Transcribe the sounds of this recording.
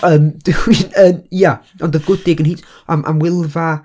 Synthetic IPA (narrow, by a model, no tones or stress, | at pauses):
əːmd̥ɪwinəːnja | ɔndəvɡʊdɪɡənhit | amʔa̰mwɪlˠva